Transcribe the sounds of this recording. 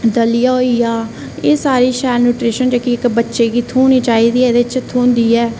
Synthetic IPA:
d̪əlijaːɦoijaː | eːsaːɾiːʃɛːɾnuːʈɾeːʃənd͡ʒoːkiɪkbətːʃeːɡiːt̪ʰuːniːt͡ʃaːiːd̪iːeːd̪et͡ʃt̪ʰuːnd̪iːɛː

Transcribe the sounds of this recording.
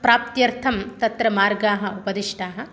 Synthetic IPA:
pɾaːp̚t̪jɐɾt̪ʰɐmt̪ɐt̪ɾɐmaːɾɡaːɦɐ̆upɐd̪iʂʈaːɦɐ̆

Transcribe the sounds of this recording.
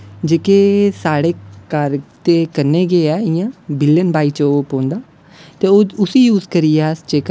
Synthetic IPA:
d͡ʒeːkeːsaːɽeːkəɾt̪eːkəɾneːɡeːɛːɪjãːbɪljənbaːiːt͡ʃopõːnd̪aː | t̪eːoːʊsiːjuːzkəɾiːɛːst͡ʃeːkə

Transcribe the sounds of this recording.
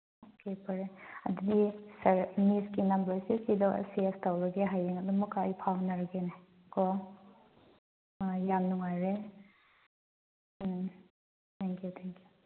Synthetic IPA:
okepɐɾeɐd̪udisɐɾniskinɐmbɐɾsikidɔ̰sestawɾɐɡeɦajeŋɐdumɐkːajpʰawnaɾɐɡene | kɔ | jamnuŋajɾe | tʰaŋkjutʰaŋkju̥

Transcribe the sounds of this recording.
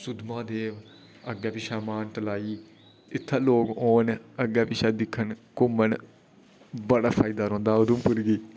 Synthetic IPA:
sʊd̪mãːd̪eːʋ | əɡɛːpɪʃaːmaːnʈəlaːiː | ɪt̪ʰːaːloːɡoːnəɡɛːpɪʃaːd̪ɪkʰːənkʊmən | bəɽaːpʰaːid̪aːɾõːnd̪aːʊd̪ũːpʊɾɡiː

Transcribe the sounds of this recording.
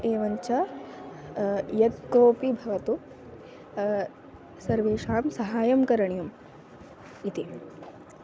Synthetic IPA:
eːʋɐɲt͡ʃɐ | jɐt̪koːpibʱɐʋɐt̪u | sɐɾʋeːʃaːmsɐɦaːjɐmkɐɾɐɳjum | it̪i

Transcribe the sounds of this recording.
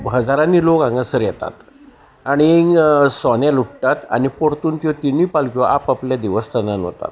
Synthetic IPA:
ɦəd͡zaɾãnːiːlokãŋɡəsəɾjɛt̪a̰t̪ | aɽ̃isɔnjalukʈ̪at̪a̰nipoɽt̪uːnt̪jɔt̪iniːpalkɔʔapapljad̪iʋəst̪ʰənanʋə̰t̪a̰t̪

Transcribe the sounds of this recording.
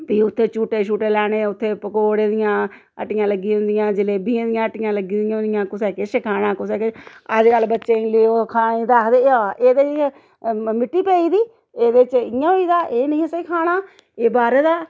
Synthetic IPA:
piːʊt̪ʰːeːt͡ʃuːʈeːʃuːʈeːlɛːɽ̃eːʊt̪ʰːeːpəkoːɽeːd̪ɪjãː | ə̰ʈːɪjãːləɡːiːɦʊ̃nd̪ɪjãːd͡ʒɪleːbiːãːd̪ɪjãːəʈɪjãːləɡiːd̪ɪjãːʊ̃nd̪ɪjãːkʊsɛːkeʃekʰaːɽãːkʊsɛːkeəd͡ʒkəlːbətːʃẽːleːoːkʰaːĩːd̪aːkd̪eːaeːd̪eː | mɪʈːiːpɛːiːd̪iː | eːd̪eːt͡ʃɪjãːɦoːiːd̪aːʔeːnəĩːsəiːkʰaːɽ̃aː | eːbaːɾeːd̪aː

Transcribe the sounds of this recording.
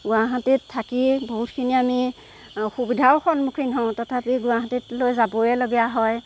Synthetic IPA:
ɡuaɦatitʰːakiboɦut̚kʰiniami | xubidʱaʊxɔnmukʰinɦɔ̃ʊ̃tɔtʰapiɡʊaɦatitlojzabɔɛloɡijaɦɔj

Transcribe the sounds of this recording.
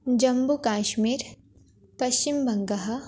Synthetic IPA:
d͡ʒɐmbukaːʃmiːɾ | pɐʃt͡ʃimbɐŋɡɐɦɐ

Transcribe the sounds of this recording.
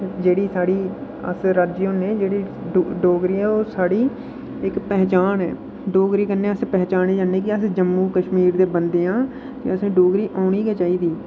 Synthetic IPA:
d͡ʒeːɽiːsaːɽiː | ə̰sɾaːd͡ʒɪonẽːd͡ʒeːɽiː | ɖoːɡɾiːɛːoːsaːɽiː | ɪkpɛːt͡ʃaːnɛː | ɖoːɡɾiːkənːẽːəspɛːt͡ʃaːneːd͡ʒãːneːkɪəsd͡ʒəmːũːkəʃmiːɾd̪eːbənd̪eːãː | t̪ḛəsẽːɖoːɡɾiːʔaːɳiːkɛːt͡ʃaːiːd̪iː

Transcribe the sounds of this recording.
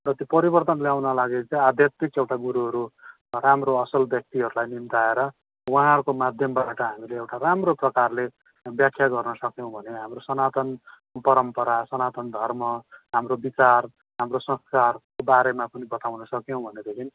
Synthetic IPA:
rʌt̪jopʌɾibʌrt̪ʌnljawnʌlaɡet͡sʌ̃ad̪jat̪ikewʈaɡuɾuɦʌɾu | ramroʌsʌlbjʌk̚t̪iɦʌɾulajnimt̪aeɾʌ | wuɦãɦrkomad̪ʱjʌmbaʈʌɦamileewʈaramroprʌkarle | bjakʰːjaɡʌrnʌsʌkjõw̃bʱʌneɦamrosʌnat̪ʌn | pʌɾʌmpʌɾasʌnat̪ʌnd̪ʱʌrmʌɦamrobit͡sar | ɦamrosʌ̃skarkobaɾemapʌnibʌt̪awnʌsʌkjow̃bʱʌned̪ekʰini

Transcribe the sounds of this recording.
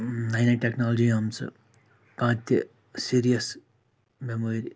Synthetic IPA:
najnɐʈeknaːlɐd͡ʒiɐmt͡sɐ̰ | kãːt̪ɐ | siːɾijɐs | memoɾi

